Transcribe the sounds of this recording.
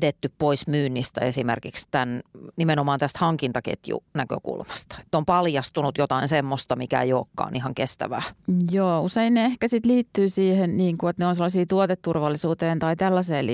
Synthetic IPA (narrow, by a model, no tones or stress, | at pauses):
det̪ːyppoismyːnːist̪æ̰esimḛrkikst̪ænnimenomɑːnt̪æst̪hɑŋkint̪ɑkḛt̪jṵnækø̰kṵlmɑ̥st̪ɑ̥e̥t̪ːompɑljɑst̪unut̪jot̪ɑinsemːost̪ɑmikæḛjoːkːɑ̰ːnʔihɑŋkest̪æ̰ʋæ̰ːjoːuseinneehkæsit̪liːt̪ːyːsiːhenniːŋkuet̪neonselːɑsiːt̪uot̪et̪tːurʋɑlːisuːt̪eːnt̪ɑit̪ælːɑseːli